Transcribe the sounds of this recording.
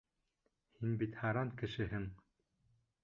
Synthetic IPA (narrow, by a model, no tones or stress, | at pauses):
hinbit̪hɑɾɑŋkɘ̆ʃɘ̆ɦɘŋ